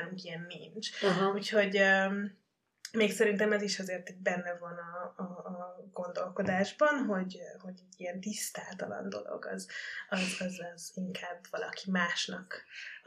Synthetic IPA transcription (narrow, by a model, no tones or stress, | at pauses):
luŋkijɛnːint͡ʃɦucho̞ɟøm | meːksɛɾint̪ɛmɛziʃɒzeːrt̪iɟ̚bɛnːɛvɒnɒː | ɡo̞nd̪o̞lko̞d̪aːʒbɒnɦo̞ɟho̞ɟɛɟːiɛnt̪ist̪aːlt̪ɒlɒ̰nd̪o̰lo̞̰ɡɒ̰zɒzɒzɒziŋkʰaːbvɒlʔɒ̰kimaːʃnɒk